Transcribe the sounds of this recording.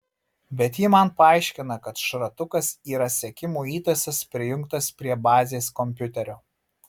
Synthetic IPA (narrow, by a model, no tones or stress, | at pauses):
bʲɛt̪jɪmɐnpɐɑˑɪʃʲkʲɪnɐkɐt̪ʃɾɐt̪ʊkɐsiːɾɐsʲɛkʲɪmuːiːt̪ɐsʲɛspʲɾʲɪjʊŋkt̪ɐspʲɾʲiɛbɑːzʲeːskɔmʲpʲʊt̪ʲɛɾʲoː